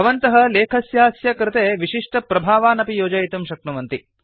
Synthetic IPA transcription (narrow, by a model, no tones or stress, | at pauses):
ɐʋɐnt̪ɐɦɐleːkʰɐsjaːsjɐkɾɪt̪eːʋiʃiʂʈɐpɾɐbʱaːʋaːnɐpijoːd͡ʒɐjt̪umʃɐk̚ɳuʋɐnt̪i